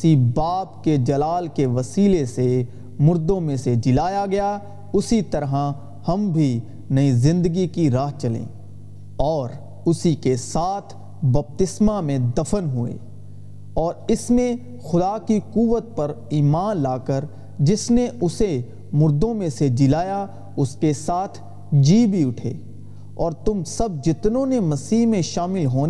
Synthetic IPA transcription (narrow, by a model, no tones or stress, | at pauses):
sibaːpked͡ʒɐlaːlkeʋɐsiːlese | mʊɾd̪õmẽsed͡ʒɪlaːjaɡɐja | ʊsit̪ɐɾɦa | hɐmbʱi | nɐizɪ̃nd̪əɡikiɾaːɦt͡ʃɐlḛ̃ː | ɔːɾ | ʊsikesaːt̪ʰ | bɐp̚t̪ɪsmamẽd̪ɐfənɦʊḛː | ɔːɾɪsmẽ | xʊd̪aːkikuːʋət̪̚pɐɾiːmaːnlaːkəɾ | d͡ʒɪsneʔʊse | mʊɾd̪õmẽsed͡ʒɪlaːja | ʊskesaːt̪ʰ | d͡ʒiːbʱiʊʈʰḛː | ɔːɾt̪ʊmsɐb̚d͡ʒɪt̪nõnemɐsiːɦmẽʃaːmɪlɦoːn